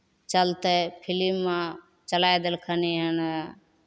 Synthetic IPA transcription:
t͡ʃəlt̪epʰɪlimːã | t͡ʃəlajd̪elkʰəniɦən

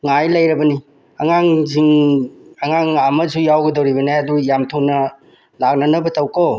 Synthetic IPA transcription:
ŋajlɐjɾɐbɐni | ɐŋaŋziŋ | ɐŋaŋamɐzujawɡɐdɐwɾiβɐnajɐdujamtʰunɐ | lak̚nɐnɐbɐtɐwko

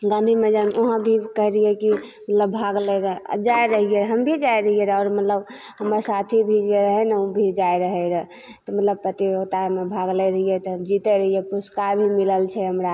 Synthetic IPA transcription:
ɡãnd̪ʱimed͡ʒamoɦə̃bʱikəɦɾijɛki | mət̪ləbbʱaɡleɾd͡ʒaeɾəɦieɦəmbʱid͡ʒaeɾəɦijeɾɔːɾmət̪ləb | ɦəmaɾsat̪ʰibʱid͡ʒeɾəɦɛnəũbʱid͡ʒaeɾəɦɛɾ | t̪ɔmət̪ləb̚pɾət̪ibəɡt̪amebʱaɡleɾəɦijet̪ɔɦəmd͡ʒit̪eɾəɦijepuskabʱimiləlt͡ʃʰɛɦəmɾa

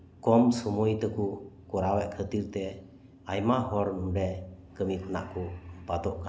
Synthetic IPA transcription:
kɔmsɔmujt̪əkukɔɾawɛʔkʰət̪iɾt̪ɛ | ajmaɦɔɾnuɖɛkəmikʰɔna̰ʔkupat̪ɔʔka

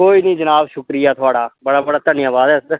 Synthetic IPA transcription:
koːiːnĩːd͡ʒənaːbʃʊkɾijaːt̪ʰʊaːɽaːbəɽaːbəɽaːt̪ənĩjãːbaːd̪ɛːs

